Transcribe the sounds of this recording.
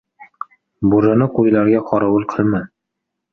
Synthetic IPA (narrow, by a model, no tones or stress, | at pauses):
buɾɤ̆nɤqujlˠaɾɡaqʰɒɾɑwɤlˠqʰɤlˠma